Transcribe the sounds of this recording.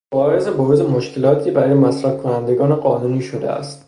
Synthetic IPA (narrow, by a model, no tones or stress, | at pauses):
bɒːɾezeboɾuzemoʃkʰe̞lɒːt̪ʰiːbæɾɒːjemæsɾæfkʰonænd̪e̞ɡɒːneɢɒːnuːniːʃod̪eʔæ̰st̪